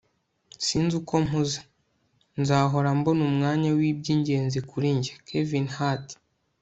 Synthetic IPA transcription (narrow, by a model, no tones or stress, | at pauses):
siːnzuko̞muzḁ | nzaːɦo̞ɾambonumŋaːɲawib̚ɟiːɲɟe̞ːnzikuɾiɲɟakʰevinhat